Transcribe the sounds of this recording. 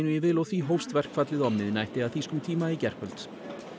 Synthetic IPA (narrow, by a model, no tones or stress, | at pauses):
nʏjɛvɪlɔɣθviɦowfst̪vɛr̥kfat̪lɪðɔpnɪðnajht̪ɪaðθiskʏmt̪ʰiːmaicɛr̥kʰœlt̪s